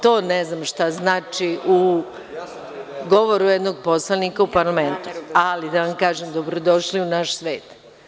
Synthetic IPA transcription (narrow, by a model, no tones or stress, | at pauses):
t̪oːneznamʃt̪aznaːt͡ʃiʔu | ɡo̞ʋoɾujed̪noɡ̚po̞slˠanikaupaɾlˠament̪ualid̪aʋamkaːʒemd̪obɾod̪o̞ʃliunaʃsʋe̞ːt̪